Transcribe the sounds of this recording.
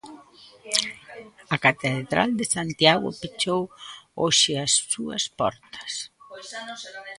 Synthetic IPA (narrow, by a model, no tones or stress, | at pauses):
akat̪eðɾa̰ld̪esant̪jaɣʊ̰pet͡ʃowoʃɪasːuɐ̰spɔ̰ɾt̪ɐ̥s